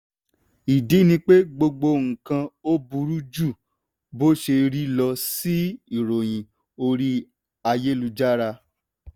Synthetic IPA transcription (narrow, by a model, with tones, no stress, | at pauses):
i˨di˨˦nĩ˧k͡pe˦ɡ͡bo˧ɡ͡bo˧ŋ̩˨kã˧o˦bu˧ɾu˦d͡ʒu˦˨ | bo˦ʃe˧ɾi˦lɔ˧si˦i˦˨ɾo˨j̃ĩ˨ | o˧ɾi˦ | a˧je˦lu˧d͡ʒa˦ɾa˧